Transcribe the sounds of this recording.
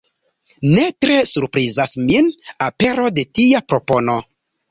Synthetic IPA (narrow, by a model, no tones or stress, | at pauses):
ne̞tɾe̞suɾpɾizasminape̞ɾo̞de̞tiapɾo̞po̞no̞